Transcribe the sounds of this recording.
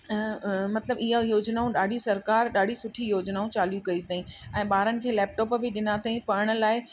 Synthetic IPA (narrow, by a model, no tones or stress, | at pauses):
mɐt̪ləbɪɦajoːd͡ʑnaːũɗaːɗʱijũsɐɾkaːɾɗaːɖʱisʊʈʰijoːd͡ʑnaːũt͡ɕaːljũkɐjit̪aːĩɛ̃ːɓaːɾənɪ̆kʰeːlɛːp̚ʈɔːpbʱɪɗɪnat̪aĩpɐɾəɽ̃ə̆laːɪ